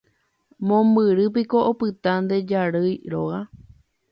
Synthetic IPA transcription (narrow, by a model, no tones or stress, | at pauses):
mõmbɨɾɨp̬iko̞ʔopɨt̪and̪e̞d͡ʒaɾɨjɾoɣa